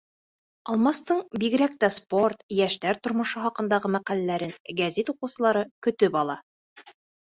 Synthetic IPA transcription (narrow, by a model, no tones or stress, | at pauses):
ɑlˠmɑst̪ɤɴbiɡɘ̆ɾæk̚t̪æsport̪jæʃt̪æɾt̪ŏɾmŏʃɤχɑqɤ̆nd̪ɑʁɤmæqælælæɾɘnɡæzit̪uqɤ̆wsɤ̆lˠɑɾɤkɵ̆t̪ɵpɑlˠɑ